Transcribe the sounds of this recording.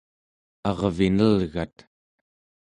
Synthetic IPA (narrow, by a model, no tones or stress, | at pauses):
ɑʁvinəlɣa̰t̪